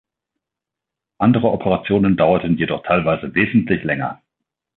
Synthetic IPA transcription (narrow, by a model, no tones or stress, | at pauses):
ʔandəʁəʔɔpʰəʁat͡sjoːnəndaʊɐtən̩jedɔχtʰaɪlvaɪzəveːzn̩tʰlɪçlɛŋɐ̰